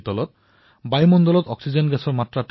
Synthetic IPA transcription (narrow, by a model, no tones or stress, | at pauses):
t̪ɔlɔt̪̚ | bajmɔnd̪ɔlɔt̪ɔksid͡ʑenɡɛsʰɔɾmat̪ːɾaʈ